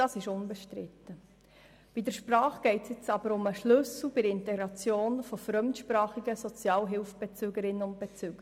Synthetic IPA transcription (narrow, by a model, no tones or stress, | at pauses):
dɑːsɪʃʊnbɛʃtɾɪt̪ːə | b̥idəɾʃpɾɑːχɡ̥ɛɪtsjɛt͡sɑb̥əɾʊməʃlɵsl̩ˠb̥ɪdɾɪnt̪ɛɡɾɑt͡sjoːnfɔfɾœmtʃpɾɑːχiɡəsɔt͡sjɑːlɦɪlfb̥ɛt͡syːɡəɾɪnːəʊnt̚b̥ɛt͡syːɡ̥ə